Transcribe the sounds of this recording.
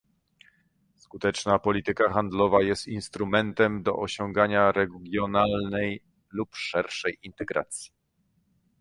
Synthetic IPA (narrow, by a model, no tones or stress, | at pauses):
skut̪ɛt͡ʂnapɔlʲit̪ɘkaxand̪lɔvajɛst̪inst̪ɾumɛnt̪ɛmd̪ɔ̰ʔɔɕɔŋɡaɲaɾɛɡʲjɔnalnɛj | lupʂɛɾʂɛjint̪ɛɡɾa̰t̪sʲji̥